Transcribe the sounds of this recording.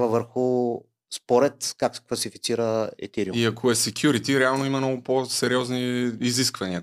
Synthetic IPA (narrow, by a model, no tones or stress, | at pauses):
vəvəɾxʊ | spɔɾɛt̪kaksɛ̥kvɐsifit̪siɾəɛ̰t̪iɾiumiɐkʰoɛsɛkʰʲjuɾit̪iɾɛalˠnoimɐmnɔɡʊposɛɾiɔzniːziskvɐniə